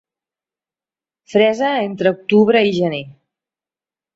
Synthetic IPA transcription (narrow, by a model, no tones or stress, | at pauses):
fɾɛzəent̪ɾəuk̚t̪uβɾəiʒəne